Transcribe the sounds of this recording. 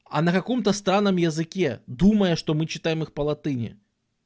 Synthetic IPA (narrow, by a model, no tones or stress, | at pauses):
ɐ̰nɐkakɔmt̪ɐst̪ɾanːɐmjɐzɨkʲɛd̪umɐjəʂt̪ɔmɨt͡ɕːɪ̥t̪ajɪmɨxpɐlˠat̪ɨnʲɪ̰